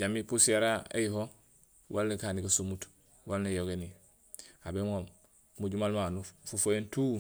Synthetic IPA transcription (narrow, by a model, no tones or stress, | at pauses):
ɟamipuseɾaḛjiɦo | walnekaːnikasumut | walnejoɡeni | abeŋom | muɟumalmanufufojentu